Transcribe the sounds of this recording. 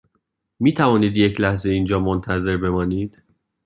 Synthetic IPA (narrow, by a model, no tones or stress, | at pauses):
miːt̪ʰævɒːniːd̪je̞cʰlæhzeiːnd͡ʒɒːmont̪ʰæze̞ɾbe̞mɒːniːd̪̥